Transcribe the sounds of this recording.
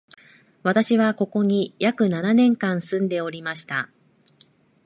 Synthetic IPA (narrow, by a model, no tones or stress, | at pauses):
βat̪aɕiβako̞ko̞ɲ̟ijakɯ̟nananẽ̞ŋkãɰ̃sɨ̃nd̪e̞o̞ɾʲimaɕi̥t̪a